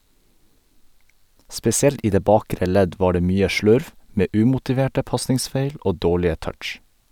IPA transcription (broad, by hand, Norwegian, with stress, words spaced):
spɛsɪˈɛlt ˈiː ˈdeː ˈbɑːkɾə ˈlɛɟ ˈʋɑː ˈɖeː ˈmyːə ˈʃlʉɾʋ ˈmeː ˈʉːmʊtɪˌʋeːʈə ˈpɑsnɪŋˌsfeɪl ˈʔoː ˈdoːɭɪə ˈtœʈʃ